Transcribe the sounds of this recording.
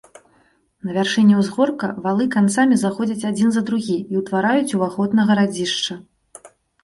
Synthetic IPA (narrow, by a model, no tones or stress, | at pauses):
nɐvʲarʂɛnʲːɛwzɣɔrkɐvalˠɨkant̪samʲizaxɔd͡zʲɐt͡sʲad͡zʲinzɐd̪ɾuɣʲiiwt̪vaɾajut͡sʲuvaxɔd̪nɐɣɐɾad͡zʲiʂt͡ʂɐ